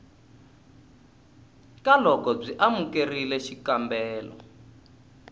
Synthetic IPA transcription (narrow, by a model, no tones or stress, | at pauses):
kalɔkɔb͡ʐiʔamukerilɛʃikambɛːlɔ̰